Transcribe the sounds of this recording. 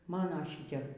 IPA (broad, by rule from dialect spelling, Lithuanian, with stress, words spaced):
ˈmɑːnoː ˈʃʲɪtʲɛp